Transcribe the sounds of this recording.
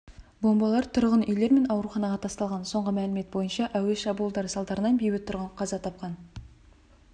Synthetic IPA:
bo̞mbɑlˠɑɾt̪ʰʊɾʁənʏjle̞ɾme̞nɑwɾuχɑnɑʁɑt̪ʰɑst̪ɑlˠʁɑnso̞ɴʁəmælɪme̞t̪̚bo̞jənʃɑʔæweʃɑbulˠd̪ɑɾəsɑlˠd̪ɑɾənɑnbejwɪt̪ʰʊɾʁəɴqʰɑzɑt̪ʰɑp̚qɑn

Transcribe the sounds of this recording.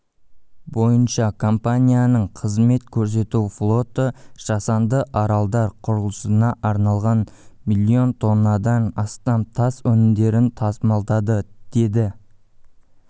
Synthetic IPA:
bo̞jənʃɑkʰo̞mpanʲijanəɴqʰəzme̞t̪kʲʰɵɾs̬e̞t̪uwflˠo̞t̪əʒ̥ɑsɑnd̪əʔɑɾɑlˠd̪ɑɾqʰʊɾəlˠəsənɑʔɑɾnɑlˠʁɑnmilʲːio̞nt̪ʰo̞nːɑd̪ɑnɑst̪ɑmt̪ʰɑswɵnɪmd̪e̞ɾɪnt̪ʰɑsəmɑlˠd̪ɑd̪əd̪̥e̞d̪ɪ

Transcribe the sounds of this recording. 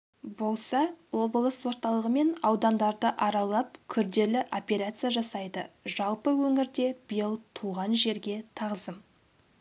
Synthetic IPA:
bo̞lˠsɑwo̞blˠəswo̞ɾt̪ɑlˠəʁəme̞nɑwd̪ɑnd̪ɑɾd̪əʔɑɾɑwlˠɑp̚kʲʰʏɾd̪e̞lɪʔo̞pʲeɾat̪sɨjaʒɑsɑjd̪əʒɑlˠpəwɵŋɪɾd̪e̞bəjəlˠt̪ʰuʁɑnʒe̞ɾɡʲe̞t̪ʰɑʁzəm

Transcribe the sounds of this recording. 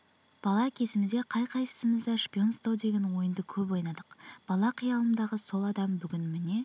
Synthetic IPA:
b̥ɑlˠɑkʲʰe̞sɪmɪzd̪e̞qʰɑjqʰɑjsə̥səməzd̪ɑʂpʲio̞nst̪ɑwd̪e̞ɡʲe̞nwo̞jənd̪əkʲʰɵpwo̞jnɑd̪əqb̥ɑlˠɑqʰəjɑlˠənd̪ɑʁəso̞lˠɑd̪ɑmbʏɡʲɪnmɪne̞

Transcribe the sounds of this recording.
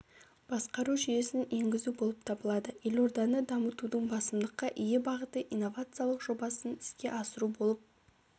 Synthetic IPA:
b̥ɑsqɑɾuʒʏje̞sɪne̞ŋɡʲɪzubo̞lˠəp̚t̪ʰɑbəlˠɑd̪əje̞lo̞ɾd̪ɑnəd̪ɑmət̪ud̪əɴbɑsəmd̪əqːɑʔijebɑʁət̪əʔijnːo̞vat̪sɨjalˠəqʒo̞bɑsənɪ̥skʲe̞̰ʔɑsəɾubo̞lˠəp̚

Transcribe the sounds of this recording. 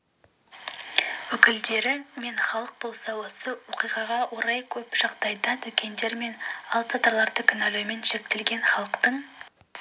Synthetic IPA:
wɵkʲɪld̪e̞ɾɪme̞nχɑlˠəq̚bo̞lˠsɑwo̞səwo̞qijʁɑʁɑwo̞ɾɑjkʲʰɵpʒ̥ɑʁd̪ɑjd̪ət̪ʰʏkʲe̞nd̪e̞ɾme̞nɑlˠat̪əɾlˠɑɾd̪əkʲʰʏnæluwme̞nʃe̞k̚t̪e̞lɡʲe̞nχɑlˠəqt̪əɴ

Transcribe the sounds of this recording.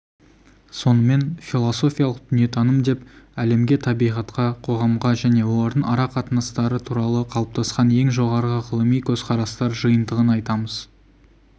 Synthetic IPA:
so̞nəme̞nfilˠo̞so̞fʲijalˠəq̚d̪̥ʏnije̞t̪ʰɑnəmd̪e̞pæle̞mɡʲe̞t̪ʰɑbijʁɑt̪qɑqʰo̞ʁɑmʁɑʒæne̞wo̞lˠɑɾd̪əɴɑɾɑqʰɑt̪ənəst̪ɑɾət̪ʰuɾɑlˠəqʰɑlˠəp̚t̪ʰɑsqɑnje̞ŋʒo̞ʁɑɾʁəʁəlˠəmijkʲʰɵzqʰɑɾɑst̪ɑɾʒəjənd̪əʁənɑjt̪ɑməz̥

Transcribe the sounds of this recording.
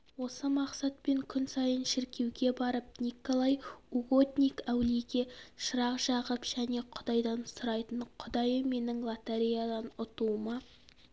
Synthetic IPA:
wo̞səmɑqsɑt̪̚pe̞ŋkʲʰʏnsɑjənʃɪɾkʲe̞wɡʲe̞bɑɾəp̚nʲikolˠɑjuɡo̞t̪nʲijkæwliɡʲe̞ʃəɾɑqʒɑʁəpʒ̥æne̞qʰʊd̪ɑjd̪ɑnsʊɾɑjt̪əɴqʰʊd̪ɑjəme̞nɪŋlˠat̪eɾijad̪ɑnʊt̪uəmɑ

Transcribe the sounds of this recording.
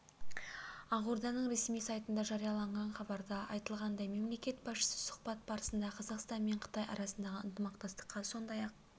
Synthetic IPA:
ɑʁuɾd̪ɑnəɴɾe̞smijsɑjt̪ənd̪ɑʒɑɾijɑlˠɑɴʁɑnχɑbɑɾd̪ɑɑjt̪əlˠʁɑnd̪ɑjme̞mle̞kʲe̞t̪bɑsʃə̥sə̥sʊ̥χbɑt̪̚bɑɾəsənd̪ɑqʰɑzɑqst̪ɑnme̞ɴqʰə̥t̪ɑjɑ̰ɾɑsənd̪ɑʁəənt̪əmɑqt̪ɑst̪ə̥qʰːɑso̞nd̪ɑjɑq̚

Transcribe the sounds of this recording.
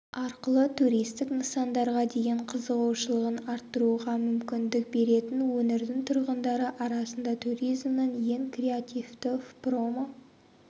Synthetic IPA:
ɑɾqəlˠət̪ʰuɾijst̪ɪknəsɑnd̪ɑɾʁɑd̪e̞jeɴqʰəzəʁɑwʃəlˠəʁənɑɾt̪ːəɾuʁɑmʏmkʲɪnd̪ɪk̚be̞ɾe̞t̪ɪnwɵneɾd̪ɪŋt̪ʰʊɾʁənd̪ɑɾəʔɑɾɑsənd̪ɑt̪ʰuɾijzmnənje̞ŋkrʲe̞at̪ʲivt̪ɪfpromə

